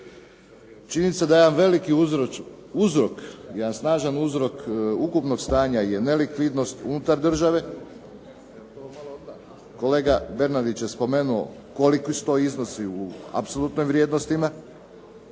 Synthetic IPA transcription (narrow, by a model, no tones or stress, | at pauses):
t͡ʃininised̪ajeanʋe̞liki | uzɾo̞kjed̪ansnaːʒanuzɾo̞kukupno̞ɡst̪aːɲaje̞ne̞likʋid̪no̞st̪ṵnut̪aɾd̪r̩ʒaʋe̞ | t̪omalo | ko̞leːɡabe̞ɾnad̪it͡ʃje̞spo̞me̞ːnuo̞̰ | ko̞likisu̥t̪o̞izno̞siua̰psolˠut̪nojmʋɾʲje̞ːd̪nost̪ima